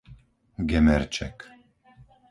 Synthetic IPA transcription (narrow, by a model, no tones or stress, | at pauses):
ɡɛmɛɾt͡ʃʰɛ̰k